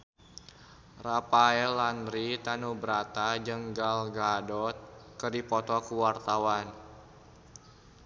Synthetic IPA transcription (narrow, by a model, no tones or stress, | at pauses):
rapaɛlanɾit̪anubɾat̪ad͡ʒəŋɡalɡadɔt̪̚kədipɔt̪ɔkuwart̪awan